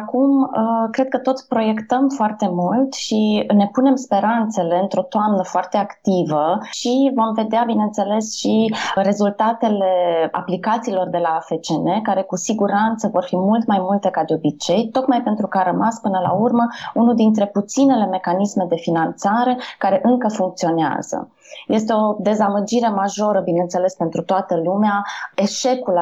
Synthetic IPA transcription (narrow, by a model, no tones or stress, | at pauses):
akuməkɾe̞d̪̚kət̪o̞t̪sʲpɾo̞je̞kt̪əmfoart̪e̞mult̪ʃine̞pune̞mspe̞ɾant̪se̞le̞ɨnt̪ɾo̞t̪oamnəfoart̪eakt̪ivəʃivo̞mve̞d̪eabinent̪se̞le̞sʃiɾe̞zult̪at̪e̞le̞a̰plikat̪siːlo̞rd̪e̞lafet͡ʃe̞ne̞kaɾe̞kusiɡuɾant̪səvo̞rfimult̪majmult̪e̞kad̪eo̞bit͡ʃe̞jt̪o̞kmajpent̪ɾukəaɾəmaspɨnəla̰urməunud̪int̪ɾe̞put̪sine̞le̞me̞kanisme̞d̪e̞finant̪saɾe̞kaɾe̞ʔɨŋkəfuŋk̚t̪sio̞nea̰z̥ə̰ | je̞st̪e̞o̞d̪e̞zaməd͡ʒiɾe̞maʒo̞ɾəbinent̪se̞le̞spe̞nt̪ɾut̪oat̪əlumeae̞ʃe̞kul